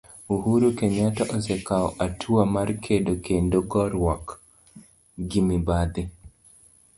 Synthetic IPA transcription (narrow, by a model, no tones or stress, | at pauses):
uhuɾukeɲatɔʔɔsɛkaɔ̰ʔatʰuamarkʰedokendoɡɔɾwɔk | ɡimibad̪ɪ